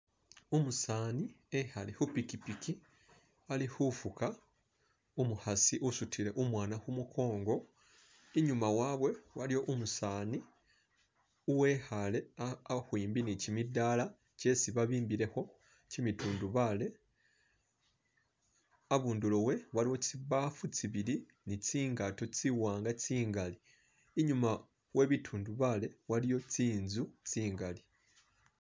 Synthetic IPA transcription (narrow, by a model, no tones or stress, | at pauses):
umusaːni | ehalehupikipiki | alihufuka | umuhasiʔusutʰiɾe̞ʔumwaːnahumukʰo̞ːŋɡo̞ | eɲumawaːβwe̞walijo̞ʔumusaːni | uwe̞ːhale̞ahwiːmbinicimidːaːla | ce̞siβaβiːmbiɾe̞ho̞ | cimitʰuːnduβale̞ | aβuːndulo̞we̞waliwo̞t͡siβaːfut͡siβiɾi | nit͡siːŋɡato̞t͡siwaːŋɡat͡siːŋɡali | iɲuma | we̞ːβitʰuːnduβale̞walijo̞t͡siːnzut͡siːŋɡali